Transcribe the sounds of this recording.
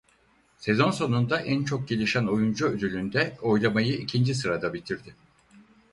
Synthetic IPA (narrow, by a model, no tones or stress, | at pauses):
se̞zo̞nso̞nund̪aʔænt͡ʃʰo̞k̚ɟe̞lʲiʃæno̞jund͡ʒuøzylʲynd̪ɛo̞jlˠamajɯicʰind͡ʒis̬ɯɾad̪abit̪ʰiɾd̪ɪ